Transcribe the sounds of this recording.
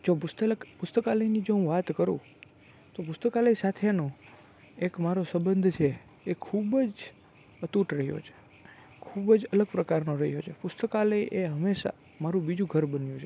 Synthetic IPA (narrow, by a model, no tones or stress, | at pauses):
d͡ʒopʊst̪əpʊst̪əkaləinid͡ʒoɦũʋat̪kəɾṵ̃ | t̪opʊst̪əkaləjsat̪ʰenõ | ekmaɾosəbənd̪ʱt͡ʃʰeː | kʰubəd͡ʒ | ət̪uʈɾəɦijo̰t͡ʃʰe̥ | kʰubd͡ʒələɡ̚pɾəkaɾnoɾəɦjot͡ʃʰepʊst̪əkaləjʔeɦəmeʃa̰ | maɾũbid͡ʒũɡʱəɾbənjũt͡ʃʰe